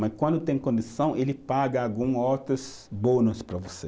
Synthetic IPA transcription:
mɐkwɐ̃nd̪ʊt̪ẽj̃kõnd̪isɐ̃w̃ʔelɪpaɡɐaɡũot̪ɾɐs | bõnɐspɾɐvose

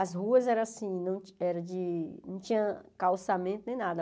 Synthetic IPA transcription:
ɐzɦuɐzɛɾɐ̃asĩnɐ̃w̃ɛɾɐ̃d͡ʒɪnɐ̃w̃t͡ʃĩɲɐ̃kawsamẽnt̪ʊnẽj̃nad̪ɐ

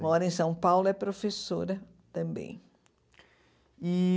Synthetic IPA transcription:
mɔɾɐẽj̃sɐ̃w̃pawlʊɛpɾofesoɾɐ | t̪ɐ̃mbḛ̃j̃ | i

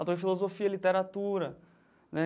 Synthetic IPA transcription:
awt̪oɾd͡ʒɪfilozofiɐlit̪eɾat̪uɾɐ | nɛ

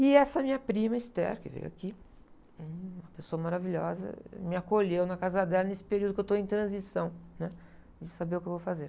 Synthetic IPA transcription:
ɪɛsɐmĩɲɐpɾĩmɐist̪ɛ̰ɾkɪ̰vḛja̰ki | ũmɐpesoɐmaɾaviʎɔ̰zɐ̰mɪakoʎewnɐkazɐd̪ɛlɐnesɪ̥peɾiuwd̪ʊkewt̪oẽj̃t̪ɾɐ̃zisɐ̃w̃nɛ | d͡ʒɪsabeɾʊkewvowfazeɾ

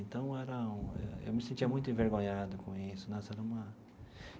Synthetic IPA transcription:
ẽnt̪ɐ̃w̃ɛɾɐũɛ̰ḛwmɪsẽnt͡ʃiɐmũj̃t̪ʊẽveɾɡõɲad̪ʊkõisʊnɐ̃sɛɾɐũmɐ

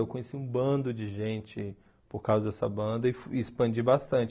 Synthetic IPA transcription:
ewkõɲesiũbɐ̃nd̪ʊd͡ʒɪʒẽnt͡ʃɪ | poɾkawzɐd̪ɛsɐbɐ̃nd̪ɐɪfɪspɐ̃d͡ʒibast̪ɐ̃t͡ʃ

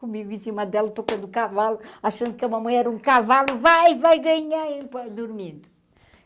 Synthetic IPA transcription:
kumiɣuĩsiumɐd̪ɛlˠɐt̪okɐ̃nd̪ukavalˠuaʃɐ̃nd̪ukɐmɐmɐ̃j̃ɛɾɐũkavalˠuvajvajɣɐɲaẽpɐd̪uɾmĩnd̪u

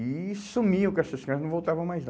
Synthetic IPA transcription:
isumiʊ̃kɛʃt̪ɐʃkɐ̃ɐnɐ̃w̃vowt̪avɐ̃w̃majzn

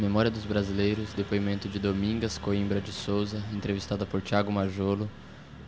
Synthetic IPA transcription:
memɔɾiɐd̪ʊzbɾazilejɾʊzd̪epoimẽnt̪ʊd͡ʒɪd̪omĩɡɐskoĩmbɾɐd͡ʒɪsowzɐẽnt̪ɾevist̪ad̪ɐpoɾt͡ʃiaɡʊmaʒolʊ

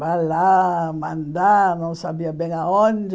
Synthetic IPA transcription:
valamɐ̃nd̪anɐ̃w̃sabiɐbẽj̃aõnd͡ʒɪ

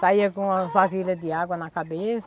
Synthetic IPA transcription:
saiɐkõɐfazilʲɐd̪ɪaɡwɐnɐkabes

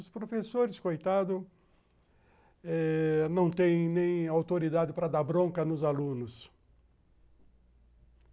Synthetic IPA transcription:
ʊspɾofesoɾɪskojt̪ad̪ʊ | ɛnɐ̃w̃t̪ẽj̃nẽj̃awt̪oɾid̪ad̪ɪpɾɐd̪abɾõkɐnʊzalũnʊs

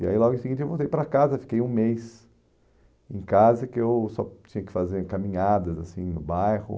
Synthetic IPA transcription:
ia̰ilɔɡʊĩsɪɡĩt͡ʃɪewvowˠt̪ejpɾɐkazɐfi̥kejũmejs | ẽj̃kazɐkɪewsɔt͡ʃĩɲɐkɪ̥fazeɾkamĩɲad̪ɐzasĩnʊbajhʊ̰

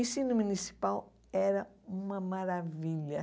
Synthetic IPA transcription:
ĩsĩnʊmunisi̥paw | ɛɾɐũmɐmaɾaviʎɐ

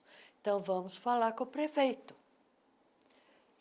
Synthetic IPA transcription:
ẽt̪ɐ̃w̃vɐ̃mʊsfalaɾkõpɾefejt̪ʊ̥

